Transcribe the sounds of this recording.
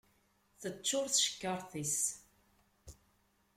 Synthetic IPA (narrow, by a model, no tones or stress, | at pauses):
θət͡ʃːʊɾθʃə̥kːəɾˤθis